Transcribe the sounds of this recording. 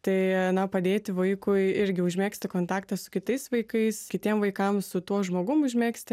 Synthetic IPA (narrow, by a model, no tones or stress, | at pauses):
t̪ɐɪnɐpɐd̪ʲeːt̪ʲɪʋɐɪkʊɪɪɾʲɡʲɪʊʒʲmʲeːksʲt̪ʲɪkoːnt̪ɑːkt̪ɐssʊ̥kʲɪt̪ɐɪsʋɐɪkɐɪskʲɪt̪ʲiɛmʋɐɪkɐmsʊt̪uɔʒmoːɡʊmʊʒʲmʲeːksʲt̪ʲɪ